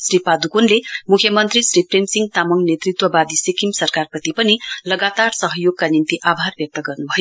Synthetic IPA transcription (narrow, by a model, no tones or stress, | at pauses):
sɾipad̪ukonlemukʰːjʌmʌnt̪ɾisɾipɾemsiŋt̪amʌŋnet̪ɾit̪wʌbad̪isikimsʌɾkaɾpʌt̪ipʌnilʌɡat̪aɾsʌɦʌjoɡ̚kanint̪iʔabʱaɾbjʌk̚t̪ʌɡʌɾnubʱʌjo